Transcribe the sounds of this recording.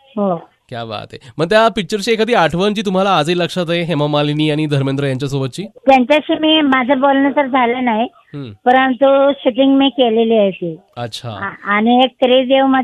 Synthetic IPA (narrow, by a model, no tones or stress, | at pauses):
ɦo | kja̰ba̰t̪ḛməɡ̚t̪japik̚t͡ɕəɾt͡ɕiːekad̪iːaʈʰʋənt͡ɕiːt̪um̤alaːd͡ziləkʂat̪aɦeɦemamaliniːaɽ̃id̪ʱəɾmẽnd̪ɾəjaɲt͡ɕjasobət̪̚ːt͡ɕiːt̪jaɲt͡ɕaɕiːmiːmad͡zʱabolnət̪əɾd͡zʱalanaɦi | ɦpəɾənt̪uɕuʈiŋɡmikeleliːajt̪iːətːɕʰa̰ɦãːñiek̚t̪əɾed̪eʋmə